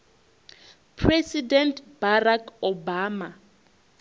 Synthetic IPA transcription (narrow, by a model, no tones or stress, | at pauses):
pʰrɛsidɛntb̥arakɔbaːma